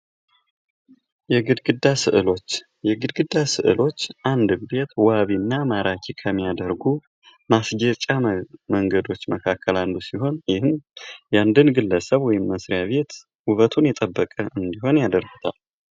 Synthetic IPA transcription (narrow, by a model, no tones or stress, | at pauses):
jɛɡɨd̪ɡɨd̪asɨʔɨlo̞t͡ʃː | jɛɡɨd̪ɡɨd̪asɨ̰ʔɨ̰lo̞t͡ʃːʔand̪be̞t̪waβinːamaɾakʲʰikʰəmːijad̪əɾɡu | masd͡ʒət͡ʃʼaməŋɡəd̪o̞t͡ʃːməkʰakʰːəland̪usiɦo̞njɪhɨmjand̪ɨnɡɨlːəsəβwɔjɪmːəsɾijaβe̞t̪ | wuβət̪ʰunjɛt̪ʼəbːəkʼəɨnd̪iɦo̞njad̪əɾɡut̪ʰa̰l